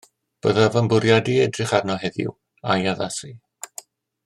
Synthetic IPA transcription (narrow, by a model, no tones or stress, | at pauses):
b̥əðavəmbʊɾjadiɛdrɪχarnɔɦɛðɪ̰w | ajaðasi